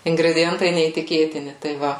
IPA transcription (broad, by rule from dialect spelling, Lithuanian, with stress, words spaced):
ɪŋɡrʲɛdʲɪˈjɛntɐɪ nʲɛiːtʲɪˈkʲeːtʲɪnʲɪ tɐɪ ˈʋɐ